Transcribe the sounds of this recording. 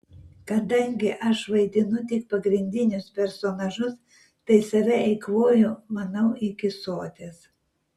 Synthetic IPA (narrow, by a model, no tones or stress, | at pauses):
kɐd̪ɐŋʲɡʲɪʔɐʃʋɐɪd̪ʲɪnʊt̪ʲɪk̚pɐɡɾʲɪnʲd̪ʲɪnʲʊspʲɛɾsoːnɐʒʊs | t̪ɐɪsɐʋʲɛɛɪkʋoːjʊmɐnɐʊʔɪkʲɪsoːt̪ʲeːs